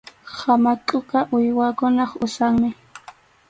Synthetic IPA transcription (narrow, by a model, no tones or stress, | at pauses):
hamakʼoqɑʔʊjwakʊnɑχʊsaŋmɪ